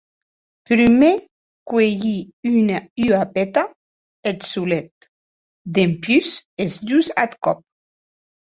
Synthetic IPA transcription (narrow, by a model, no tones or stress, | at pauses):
pɾyme | kweʝiynayapet̪a | et̪sulet̪̚ | d̪empjysezd̪uza̰t̪kɔp̚